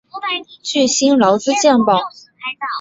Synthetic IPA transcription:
t͡ɕy˥˩ɕi˥nlɑ˧˥ʊt͡sɹ̩˥˧t͡ɕjɛ˥˩npɑ˨˩ʊ

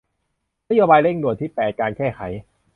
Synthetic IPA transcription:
na˦˥joː˧baː˧jle˥˩ŋnu˨˩ət̪ʰiː˥˩pɛː˨˩t̪̚kaː˧nkɛː˥˩kʰa˩˦j

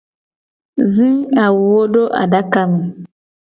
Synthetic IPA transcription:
zĩ˦a˨wwo˦do˦ʔa̰˨da˦ka˦m˨

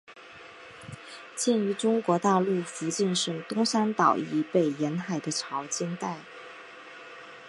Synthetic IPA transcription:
t͡ɕjɛ˥˩ny˧˥ʈ͡ʂʊ˥ŋkwɔ˧˥t̪a˥˧lu˥˩fu˧˥t͡ɕi˥˧nʂɤ˥˩ŋt̪ʊ˥ŋsa˥nt̪ɑ˨˩ʊi˧˥pe˥˩ɪjɛ˧˥nxa˨˩ɪd̪ə˦ʈ͡ʂʰɑ˧˥ʊt͡ɕɛ˥nt̪a˥˩ɪ

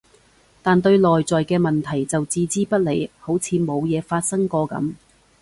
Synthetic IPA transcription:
t̪aː˨nt̪̬ɵ˧ɥlɔː˨jt͡sɔː˨jkɛː˧mɐ˨nt̪ʰɐ˨˩jt͡sɐ˨wt͡siː˧t͡siː˥pɐ˥t̚le˨˧jho˨˥wt͡sʰiː˨˧mo˨˧wjɛː˨˧faː˧t̚sɐ˥ŋkɔː˧kɐ̰˨˥m

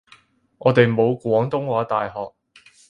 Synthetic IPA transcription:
ŋʔɔ̰ː˨˧t̪e˨jmo˨˧wkʷɔː˨˥ŋt̪ʊ˥ŋwaː˨˥t̪aː˨jɦɔː˨k̚

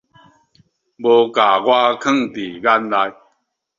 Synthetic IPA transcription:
bo˧ka˨˩ɣwa˦kʰə˥˨ŋt̪i˨˩ɡa˦nla˧j

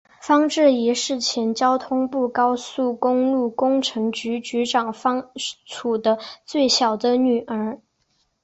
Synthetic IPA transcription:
fɑ˥ŋʈ͡ʂɻ̩˥˩i˧˥ʂɻ̩˥˩t͡ɕʰjɛ˧˥nt͡ɕjɑ˥ʊt̪ʰʊ˥ŋpu˥˩kɑ˥ʊsu˥˩kʊ˥ŋlu˥˩kʊ˥ŋʈ͡ʂʰɤ˧˥ŋt͡ɕy˧˥t͡ɕy˧˥ʈ͡ʂɑ˨˩ŋfɑ˥ŋt͡sʰu˨˩d̪ə˦t͡swe˥˩ɪɕjɑ˨˩ʊd̪ə˦ny˨˩ʔə˞˧˥

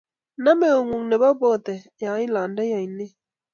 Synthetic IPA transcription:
na˦me˨o˨ŋu˨ŋnɛ˨ba˦bɔ˦˨t̪ɛ˨ | jã˨˦ĩ˦la˨nda˦ja˨i˨nɪ˦

